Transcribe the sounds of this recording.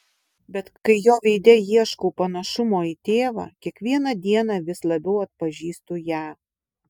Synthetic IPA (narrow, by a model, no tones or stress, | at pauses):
bʲɛt̪kɐɪjoːʋʲɛɪd̪ʲɛjiɛʃkoːpɐnɐʃʊmoːit̪ʲeːʋɑ̰ːkʲiɛkʋʲiɛnɐd̪ʲiɛnɑʋʲɪslˠɐbʲɛʊɐt̪̚pɐʒʲiːst̪uːjæː